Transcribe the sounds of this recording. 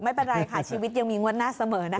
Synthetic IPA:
ma˥˩jpe˧nɾa˧jkʰaː˨˩t͡ɕʰiː˧wi˦˥ja˧ŋmiː˧ŋu˥ət̪̚naː˥˩sa˧mɤː˩˦na˦˥

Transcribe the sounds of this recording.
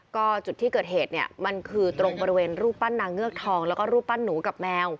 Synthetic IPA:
kɔː˥˩t͡ɕu˨˩t̪ʰːiː˥˩kɤː˨˩t̪̚ɦeː˨˩t̪̚ni˦˥˩ɐma˧nkʰɯː˧t̪ɾo˧ŋbɔː˧ɾi˧weː˧nɾuː˥˩pːa˥˩nːaː˧ŋːɯ˥˩ək̚t̪ʰɔː˧ŋlɛː˦˥wkɔː˥˩ɾuː˥˩pːa˥˩nːuː˩˦ka˨˩p̚mɛː˧w

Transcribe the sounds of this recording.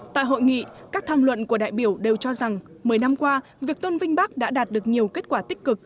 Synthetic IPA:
t̪a̰ː˧˨jɦo̰˧˨jŋḭ˧˨kaː˦˥k̚t̪ʰaː˧mlwə̰˧˨nku˧˩əɗa̰ː˧˨jɓi˧˩əwɗe˨˩wt͡ɕɔ˧za˨˩ŋ | məː˨˩˦jna˧mkwaː˧ | vi˨˩ək̚t̪o˧nvï˧ŋ̟ɓa˦˥k̚ɗa̰ː˧˥ɗaː˨˩t̚ɗɨ˨˩ək̚ɲi˨˩əwke˦˥t̚kwaː˧˩t̪ï˦˥k̟̚kɨ˨˩k̚

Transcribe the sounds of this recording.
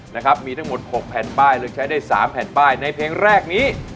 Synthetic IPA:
na˦˥kʰɾa˦˥p̚miː˧t̪ʰa˦˥ŋmo˨˩t̪̚ho˨˩k̚pʰɛː˨˩˦nbaː˥˩jlɯː˧k̚t͡ɕʰa˦˥jdaː˥˩jsaː˩˦mpʰɛː˩˦nbaː˥˩jna˧jpʰeː˧ŋɾɛː˥˩k̚niː˦˥

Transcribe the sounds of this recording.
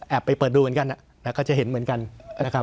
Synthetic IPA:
ʔɛː˨˩pːa˧jpɤː˨˩t̪̚duː˧ɨ˩˦ka˧nʔa˨˩ | na˦˥kɔː˥˩t͡ɕa˨˩he˩˦nmɯ˩˦ənka˧na˦˥kʰa˦˥

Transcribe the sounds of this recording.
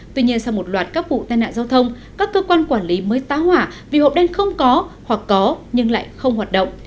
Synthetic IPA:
t̪wi˧ɲi˧ənsa˧wmo˨˩t̚lwaː˨˩t̚kaː˦˥k̚vṵ˧˨t̪aː˧jna̰ː˧˨zaː˧wt̪ʰə˧wŋ͡m | kaː˦˥kːəː˧kwaː˧nkwaː˧˩nli˨˦məː˨˦jt̪aː˨˦hwaː˧˩vḭ˨˩ho̰˨˧˨p̚ɗɛ˧nxə˧wŋ͡mkɔ˨˦hwa˨˩kːɔ˨˦ɲɨ˧ŋla̰ː˧˨jxə˧wŋ͡mɦwaː˨˩t̚ɗə̰˧˨wŋ͡m

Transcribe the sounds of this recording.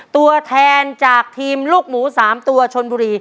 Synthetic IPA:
t̪u˧ɐt̪ʰɛː˧nt͡ɕaː˨˩k̚t̪ʰiː˧mluː˥˩k̚muː˩˦saː˩˦mt̪u˧ɐt͡ɕʰo˧nbuː˧ɾiː˧

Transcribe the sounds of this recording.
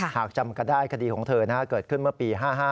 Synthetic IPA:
haː˨˩k̚t͡ɕa˧mka˧ndaː˥˩jkʰa˧diː˧kʰɔː˩˦ŋt̪ʰɤː˧na˦˥kʰa˦˥kɤː˨˩t̪̚kʰɯ˥˩nmɯ˥ɐpiː˧ɦaː˥˩ɦaː˥˩

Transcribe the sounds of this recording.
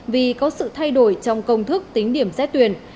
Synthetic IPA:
vi˨˩kɔ˨˦sɨ̰˧˨t̪ʰa˧jɗo˧˩jt͡ɕɔ˧wŋ͡mkə˧wŋ͡mt̪ʰɨ˦˥k̚t̪ï˨˦ŋ̟ɗi˧˩əmzɛ̰˦˥t̪wi˧˩ən

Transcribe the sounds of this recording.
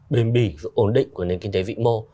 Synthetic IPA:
ɓe˨˧nɓi˧˩vɨ̰˧˨˦ʔo˨˧˩nɗḭ̈˧˨ŋ̟ku˧˩əne˨˧nkï˧ŋ̟t̪e˨˦vḭ˧˨mo˧

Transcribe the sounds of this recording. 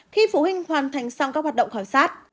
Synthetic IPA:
xi˧fu˧˩˦hï˧ŋ̟hwaː˨˩nt̪ʰa˨˩jŋ̟sa˧wŋ͡mkaː˦˥k̚wa˨˩ɗə̰˧˨ŋ͡mxaː˧˩msaː˦˥t̚

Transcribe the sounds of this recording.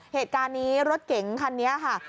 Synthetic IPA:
heː˨˩t̪̚kaː˧nːiː˦˥ɾo˦˥t̪̚ke˩˦ŋkʰa˧nːi˦˥ɐkʰa˥˩

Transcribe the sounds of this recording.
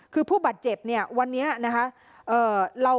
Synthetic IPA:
kʰɯː˧pʰuː˥˩baː˨˩t̪̚t͡ɕe˨˩p̚ni˥˩ɐwa˧nːi˦˥ɐna˦˥kʰa˦˥ | ʔɤː˨˩ɾa˧

